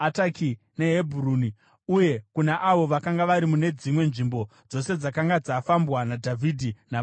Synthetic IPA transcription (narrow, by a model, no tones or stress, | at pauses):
ataki | ne̞ɦebʱuruːni | uje̞kunaʔaʋo̞ʋakaŋɡaʋaɾimune̞d͡zimwe̞nʐimbo̞ | d͡zo̞se̞d͡zakaŋɡad͡zaːfambwanadʱavʱidʱina